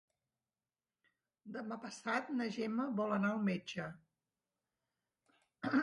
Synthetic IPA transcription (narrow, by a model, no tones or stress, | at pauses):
d̪əmapəsat̪nəʒɛməβɔlˠənaəlˠmed͡ʒə